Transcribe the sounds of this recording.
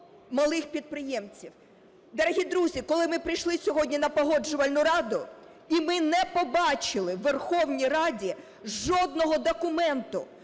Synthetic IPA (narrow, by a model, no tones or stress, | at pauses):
mɐlˠɪxpʲid̪̚pɾɪjɛmt͡sʲiw | d̪ɐɾɐɦʲid̪ɾuzʲikɔlˠɪmɪpɾɪjʃlˠɪsʲɔɦɔdʲnʲinɐpɔɦɔd͡ʒʊʋɐlʲnʊɾɑd̪ʊ | imɪnɛpɔbɑt͡ʃɪlˠɪʋːerxɔwnʲijrɑdʲi | ʒɔd̪̚nɔɦɔd̪ɔkʊmɛnt̪ʊ̰